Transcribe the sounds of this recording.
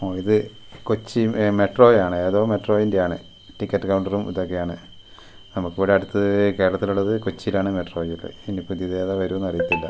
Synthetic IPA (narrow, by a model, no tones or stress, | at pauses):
oːiðɨ | kot͡ɕːime̞ʈro̞ːjaːɳɨe̞ːðo̞ːme̞ʈro̞ːjindejaːɳɨ | ʈikʲːɐʈːɨkɐwɳɖɐrumiðo̞kːe̞jaːɳɨ | nɐmukːɨʋoːɾeɐɽut̪ːɨke̞ːɾɐɭɐt̪ːiluɭːɐðɨkot͡ɕːijilaːɳɨme̞ʈro̞ːjuɭːɐ̰inipud̪iðeːðaʋɐɾuʋɐnːɐrijit̪ːilːɐ